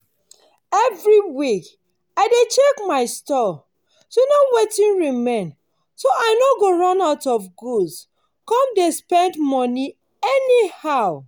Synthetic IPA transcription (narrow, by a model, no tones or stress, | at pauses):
ɛvɹiwik | aɪdet͡ʃekmaɪstɔ | sonowetĩnɹimẽn | soʔaɪnoɡoɹɔ̃naʊtɔfɡuds | kɔ̃mdespɛ̃ndmɔni | ɛnihaʊ